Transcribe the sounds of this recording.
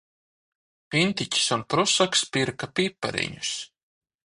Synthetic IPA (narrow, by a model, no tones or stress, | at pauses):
pʲint̪icʲi̥sunpɾusakspiɾkapipːa̰ɾḭɲus